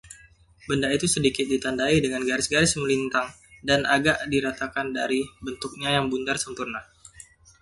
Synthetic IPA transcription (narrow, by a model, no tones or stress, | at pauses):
bəndait̪usədikɪt̪̚dit̪andaidəŋanɡaɾɪsɡaɾɪsməlint̪aŋ | danʔaɡaʔdiɾat̪akandaɾibənt̪uk̚ɲajaŋbund̪arsəmpurna